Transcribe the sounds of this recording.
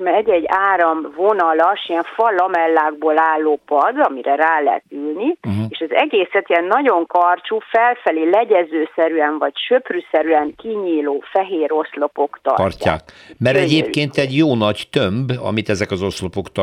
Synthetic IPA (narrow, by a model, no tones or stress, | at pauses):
ɛɟɛɟːaːɾɒmvo̞nɒlɒʃiɛɱfɒlɒmɛlːaːɡ̚boːlaːlːoːpɒd̪ɒmiɾɛɾaːlɛ̰ɦɛ̰t̪ylnieːʃɛzɛɡeːsɛt̪iɛnːɒɟo̞ŋkɒrt͡ʃufɛlfɛleːlɛɟɛzøːsɛɾyɛɱvɒcʃø̞prysɛɾyɛŋkiɲiːloːfɛɦeːɾo̞slo̞po̞kt̪ɒ̰rra̰ːkmɛɾɛɟeːpkeːnt̪ɛɟjoːnɒct̪ømbɒ̰mit̪ɛzɛkɒzo̞slopokt̪ɒ